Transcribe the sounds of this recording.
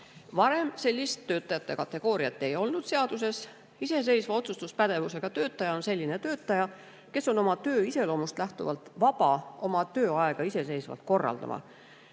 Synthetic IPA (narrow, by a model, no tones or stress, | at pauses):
vɑɾe̞mse̞lʲːist̪ːø̞ːt̪ːˑɑjɑt̪ːe̞kɑt̪ːˑe̞ɡ̥o̞ːɾiɑt̪ːˑe̞jo̞lnud̪̥se̞ɑd̪̥use̞s | ise̞s̬e̞jsvɑo̞t̪sust̪uspæd̪̥e̞vuse̞ɡ̥ɑt̪ø̞ːt̪ˑːɑjɑo̞nse̞lʲːine̞t̪ø̞ːt̪ːˑɑjɑ | ke̞so̞no̞mɑt̪ø̞ːise̞lo̞ːmust̪læht̪uvɑ̰lt̪ˑvɑb̥ɑo̞mɑt̪ø̞ːɑɛɡ̥ɑise̞se̞jsvɑ̰lt̪̚ko̞rːɑ̰ld̪̥ɑ̰mʔɑ̰